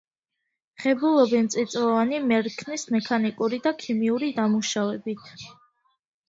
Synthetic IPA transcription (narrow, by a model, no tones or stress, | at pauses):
χɛbulˠɔbɛmt̪sʼit̪sʼɔvanimɛɾkʰnismɛkʰanikʼuɾid̪akʰimiuɾid̪amuʃavɛbit̪ʰ